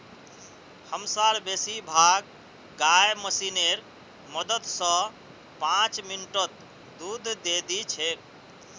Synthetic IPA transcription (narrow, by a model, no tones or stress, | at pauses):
həmsaɾbesibʱaɡ̚ | ɡajməsineɾ | məd̪ət̪sə̃ | pãt͡ʃminʈət̪ | d̪ud̪ʱd̪ed̪it͡ʃʰe